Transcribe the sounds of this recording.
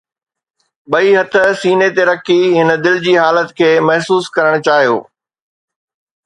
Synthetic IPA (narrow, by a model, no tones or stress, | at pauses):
ɓɐiɦɐt̪ʰə̆siːnet̪eɾɐkʰiɦɪnə̆d̪ɪld͡ʑiːɦaːlət̪kʰeːmɐɦsuːskɐɾəɽ̃t͡ɕaːɦijo̰ː